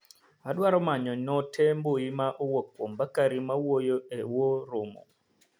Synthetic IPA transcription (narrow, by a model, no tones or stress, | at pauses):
aɗwaɾɔmaɲɔɲɔtʰɛmbojimaʔowokːwombakaɾimawojoewoɾʊmɔ̰